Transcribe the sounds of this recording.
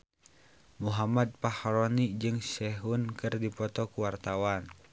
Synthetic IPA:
muɦamad̪̚pahaɾɔnid͡ʒɨŋsɛɦunkɨrdipɔt̪ɔkuwart̪awan

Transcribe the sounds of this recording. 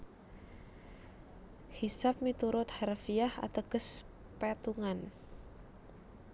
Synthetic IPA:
hisap̚mit̪uɾʊt̪̚harfiaha̰t̪əɡəs | pɛt̪uŋan

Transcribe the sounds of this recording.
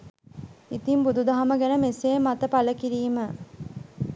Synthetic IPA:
it̪imbud̪ud̪aɦaməɡænəmeseːmat̪əpaləkiɾiːmə

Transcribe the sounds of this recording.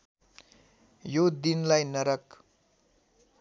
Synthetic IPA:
jod̪inlajnʌɾʌk

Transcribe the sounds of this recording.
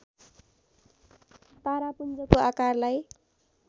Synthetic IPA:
t̪aɾapund͡zʌkoakarlaj

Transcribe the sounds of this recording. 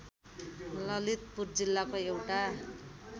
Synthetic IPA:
lʌlit̪̚purd͡zilːakoewʈa

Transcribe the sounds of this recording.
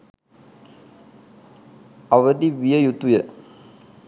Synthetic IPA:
ɐʋəd̪iʋijəjut̪ːujə

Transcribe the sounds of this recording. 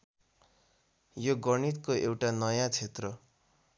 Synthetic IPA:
joɡʌɳit̪koewʈanʌjãt͡sʰet̪rʌ

